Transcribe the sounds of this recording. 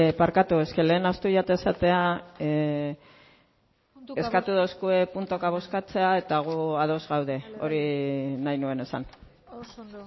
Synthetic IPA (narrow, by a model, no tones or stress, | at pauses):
paɾkat̪ue̞ske̞le̞ːnast̪uʝat̪aesat̪e̞a | e̞skat̪uðoskue̞punt̪o̞kaβ̞o̞skat͡se̞ae̞t̪aɣ̞uað̞o̞zɣawðe̞o̞̰ɾinajnue̞ne̞sa̰n